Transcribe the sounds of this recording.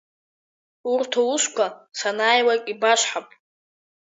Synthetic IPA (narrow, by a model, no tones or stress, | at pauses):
urtʰouʃʷkʷʰasanaːjwakʼibaʂħapʼ